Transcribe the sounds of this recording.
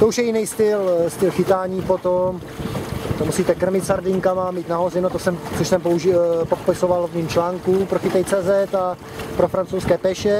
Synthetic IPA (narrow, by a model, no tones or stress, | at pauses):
t̪ouʃjɛjɪnɛjst̪ɪlst̪ɪlxɪt̪aːɲiːpot̪om | t̪omusiːt̪ɛkr̩mɪt̪saɾdɪŋkamamiːt̪naɦo̞zɛnot̪osɛmsoʃsɛmpouʒpopɪsovalvɲimt͡ʃlaːŋkupɾoxɪt̪ɛjt͡sɛːzɛt̪a | pɾofɾant͡sowskɛːpɛʃɛ